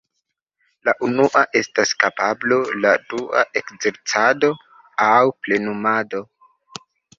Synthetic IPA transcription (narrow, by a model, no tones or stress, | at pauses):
laʔunuʔaʔe̞staskapabloladua̰ʔe̞kze̞ɾt͡sado̞ | awple̞numado̞